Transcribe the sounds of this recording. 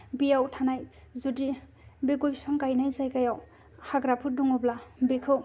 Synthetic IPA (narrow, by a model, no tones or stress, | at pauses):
bijawtʰanaj | zudi | biɡojsaŋkajnajzajkajaw | haɡɾapʰuduŋɔblabikʰɯw